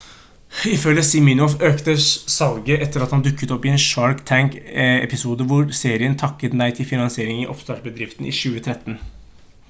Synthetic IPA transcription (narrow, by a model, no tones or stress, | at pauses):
ɪfœlːəsɪmɪnɔføːkt̪əssɑlɡəʔɛt̪ːəɾɑt̪hɑnd̪ʉkːət̪ɔpːɪɛnʃɑɹkt̪ʰæŋkɛ̰pɪsuːd̪əʋʊɾseːɾɪənt̪ʰɑkːət̪d̪æɪt̪ʰɪlfɪnɑnsɪeːɾɪŋɪʔɔpst̪ɑːʈbəd̪ɾɪft̪n̩ʔɪ̰ʃʉːət̪ʰɾɛt̪ːn̩